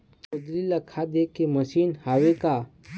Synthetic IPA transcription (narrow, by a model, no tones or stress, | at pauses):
ʊd̪ɾilakʰad̪eːkemɐʃiːnhaːweka